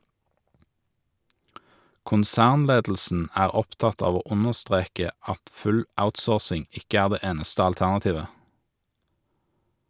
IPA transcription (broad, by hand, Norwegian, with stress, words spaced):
kʊnˈsæːʁnˌleːdl̩sn̩ ˈæːʁ ˈɔpˌtɑt ˈɑːʋ ˈoː ˈʊnəʁˌstʁeːkə ˈɑt ˈfʉl ˈaʊtˌsoːʁsɪŋ ˈɪkə ˈæːʁ ˈdeː ˈeːnəstə ɑlˈtæʁnɑˌtiːʋə